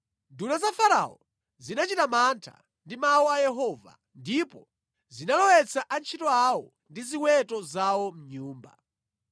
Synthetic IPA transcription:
dunazafaɾa̰ɔ | zinat͡ʃitamantʰa̰ | ndimawɔajɛɦɔːva̰ | ndipɔ | zinalɔwɛt͡sʰaʔant͡ʃʰitɔawɔ | ndiziwɛtɔzawɔm̩ɲuːmba̰

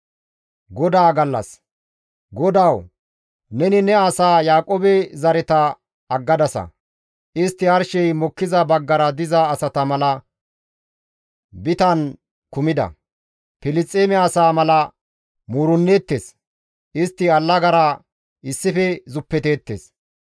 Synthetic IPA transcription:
ɡɔd̪aːɡɐlːɐ̰s | ɡɔd̪aw | nɛnɪnɛɐsaːjaːkʼoːbɛzɐɾɛt̪ɐ | ɐɡːɐd̪ɐsɐ̰ | ʔɪst̪ːɪɐɾʃɛjmɔkːɪzɐbɐɡːɐɾɐd̪ɪzɐːsɐt̪ɐmɐlɐ | bɪt̪ɐn | kʊmɪd̪ɐ̰ | pɪlɪt͡sʼːeːmɛɐsaːmɐlɐ | muːɾʊnːeːt̪ːes | ʔɪst̪ːɪɐlːɐɡɐɾɐ | ɪsːɪfɛzʊpːɛt̪e̞ːt̪ːḛs

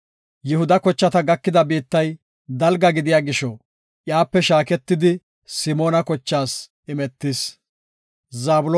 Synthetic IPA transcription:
jɪhʊd̪ɐkɔt͡ʃːɐt̪ɐɡɐkːɪd̪ɐbiːt̪ːɐj | d̪ɐlɡɐɡɪd̪ɪjaːɡɪʃɔ | ʔjaːpːɛʃaːkɛt̪ːɪd̪ɪ | sɪmoːnɐkɔt͡ʃːaːs | ɪmɛt̪ːɪs | zaːbʊlɔ

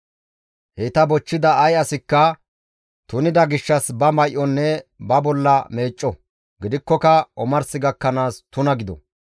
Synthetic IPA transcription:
hɛt̪ɐbɔt͡ʃːɪd̪ɐːjɐsɪkːɐ | t̪ʊnɪd̪ɐɡɪʃːɐsbɐmɐjʔɔnːɛbɐbɔlːɐme̞ːt͡ʃʼːɔ | ɡɪd̪ɪkːɔkɐɔmɐɾsɪɡɐkːɐnaːst̪ʊnɐɡɪd̪ɔ̰

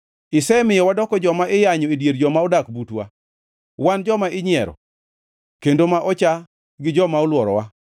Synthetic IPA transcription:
ɪsɛmɪjɔwadɔkɔd͡ʒɔmaʔɪjaɲɔedjeɾd͡ʒɔmaodakbutwa̰ | wand͡ʒɔmaɪɲɪɛɾɔ̰ | kendomaʔɔt͡ʃa | ɡɪd͡ʒɔmaolwɔɾɔwa

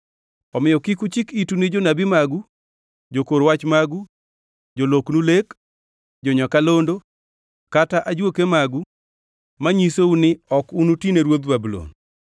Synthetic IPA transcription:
ɔmɪjɔkikut͡ʃɪkitunɪd͡ʒonabimaɡu | d͡ʒokoɾwat͡ʃmaɡu | d͡ʒoloknulek | d͡ʒoɲɔkalondo | kataʔad͡ʒwokemaɡu | maɲisounɪɔkunutineɾwod̪babulo̰n

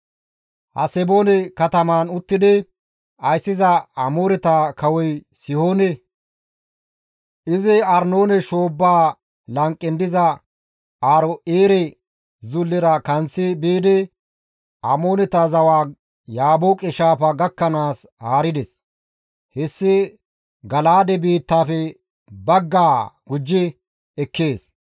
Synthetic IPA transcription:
hɐ̰sɛboːnɛkɐt̪ɐmaːnʊt̪ːɪd̪ɛ | ɐjsːɪzɐɐmoːɾɛt̪aːkɐwɔjsɪhoːnɛ | ʔɪzɪɐɾno̞ːnɛʃo̞ːbːaː | lɐŋkʼːɪnd̪ɪzɐ | aːɾɔʔeːɾɛ | zʊlːɪɾɐkɐnt͡sːɪbeːd̪ɛ | ɐmo̞ːnɛt̪ɐzɐwaː | jaːbokʼɪʃaːpɐɡɐkːɐnaːshaːɾɪd̪ɛs | hɛsːɪ | ɡɐlaːd̪ɛbiːt̪ːaːfɛ | bɐɡːaːɡʊd͡ʒːɪ | ɛkːe̞ːs

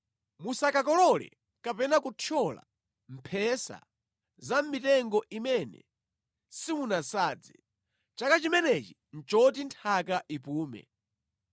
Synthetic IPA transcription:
musakakɔlɔlɛ̰ | kapɛnakutʰɔla̰ | m̩pʰɛsa̰ | zam̩mitɛŋɡɔʔimɛnɛ̰ | simunasaːd͡zɛ̰ | t͡ʃakat͡ʃimɛnɛt͡ʃi | n̩t͡ʃɔt̬intʰakaʔipuːmɛ̰

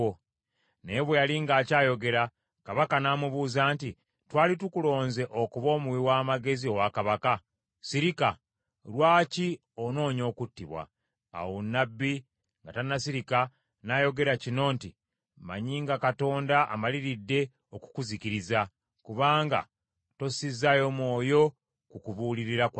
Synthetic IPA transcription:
o | ne̞βwejaliŋɡaːcaːjo̞ɡe̞ɾa | kaβakanaːmuβuːzaːnti | twaːlitukulo̞ːnze̞ʔo̞kuβo̞ːmuwiwaːmaɡe̞zio̞wakaβaka | siɾika | lwaːci | ono̞ːɲo̞ːkutːiβwa̰ | a̰wonːabːi | ŋɡatanːasiɾika | najo̞ɡe̞ɾacino̞ːnti | ma̰ɲiːŋɡakato̞ːndaʔa̰maliɾidːe̞ | oku̥kuziciɾiza | kuβaːŋɡa̰ | to̞sizajo̞mwo̞ːjo̞ | kukuβuːliɾiɾak

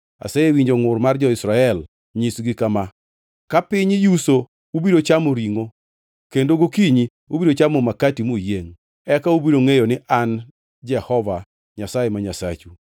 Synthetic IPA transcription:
a̰sajewiɲd͡ʒoŋʊrmard͡ʒɔɪsɾaɛl | ɲisɡɪkama | kapɪɲɪjuso | ubiɾot͡ʃamoɾiŋo | kendoɡokiɲi | ubidot͡ʃamɔmakatimojeŋ | ɛkaubiɾoŋejonɪʔan | d͡ʒɛhɔva | ɲasajemaɲasa̰t͡ʃu

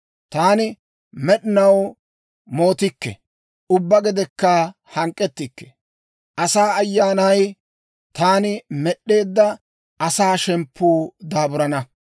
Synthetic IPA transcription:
t̪aːnɪ | mɛɗɪnɐw | mo̞ːt̪ɪkːɛ̰ | ʊbːɐɡɛd̪ɛkːa | hɐŋkʼːɛt̪ːɪkːɛ̥ | ʔɐsaːɐjːaːnɐj | t̪aːnɪmɛɗːe̞ːd̪ːɐ | ʔɐsaːʃɛmpʰːuːd̪aːbʊɾɐnɐ

